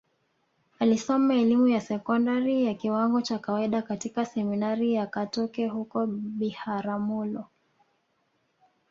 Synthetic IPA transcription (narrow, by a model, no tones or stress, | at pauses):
alisɔmaɛlimujasɛkɔndaɾijakiwaŋɡɔt͡ʃakawaiɗakatikasɛminaɾijakatɔkɛhukɔɓihaɾamulɔ